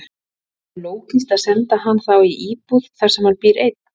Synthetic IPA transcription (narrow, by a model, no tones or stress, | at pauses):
loːwcɪnst̪aðsɛnt̪aɦanːθawiʔiːpuðθaɾsɛmaɾpiɾejt̪n̥